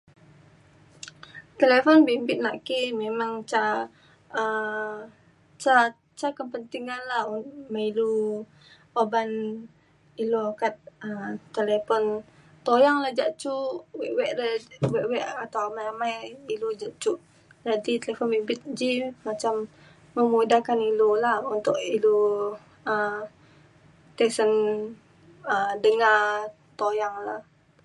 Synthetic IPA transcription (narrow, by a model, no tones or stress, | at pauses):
t̪elefɔnbimbɪt̪̚naʔkimemaŋt͡ʃa | ə | t͡ʃa | t͡ʃakəpənt̪iŋanlahmailu | oban | ilokat̪̚ət̪elepɔn | t̪ojaŋlad͡ʒaʔt͡ʃuwɛʔwɛʔləwɛʔwɛʔat̪awamajamajilud͡ʒaʔt͡ʃuʔ | d͡ʒadit̪əlefɔnwibɪt̪̚d͡ʒimat͡ʃamː | əmudakanilolahunt̪ʊʔilu | ə | t̪ɛsən | ədəŋar | t̪ojaŋlah